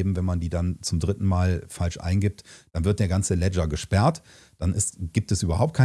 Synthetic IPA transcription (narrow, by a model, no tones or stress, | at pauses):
bm̩vɛnmandiːdant͡sʊmdʁɪtn̩maːlfalʃʔa̰ɪnɡɪp̚td̥anvɪɐt̚d̥eːɐɡant͡səlɛd͡ʒɐɡəʃpɛɐt | d̥anɪstɡ̥iːp̚tɛsʔyːbɐɦaʊpt̚kʰaɪ